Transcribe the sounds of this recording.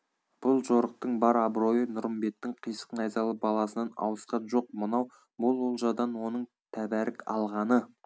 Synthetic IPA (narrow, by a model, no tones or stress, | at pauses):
b̥ʊlˠʒo̞ɾəq̚t̪əɴbɑɾɑbɾo̞jənʊɾəmbe̞t̪ːɪɴqʰijsə̥qnɑjzɑlˠəbɑlˠɑsənɑnɑ̰wəsqɑnʒo̞q̚mənɑw | bʊlˠwolˠʒɑd̪ɑnwo̞nəɴ | t̪ʰæbæɾɪkɑ̰lˠʁɑnə